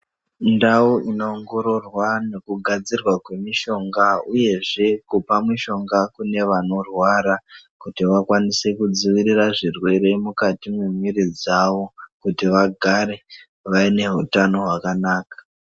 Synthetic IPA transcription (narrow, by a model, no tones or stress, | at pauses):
ndauʔino̞ːŋɡo̞ɾo̞rwane̞kuɡʱad͡zirwakwe̞miʃo̞ŋɡauje̞ʐe̞kupamwiʃo̞ŋɡakune̞ʋano̞rwaɾakutiʋakwanise̞kud͡ziʋiriraʐirwe̞ɾe̞mukatimwemiɾid͡zaʋokutiʋaɡʱaɾe̞ | ʋaine̞ɦutano̞ɦwakanaːkḁ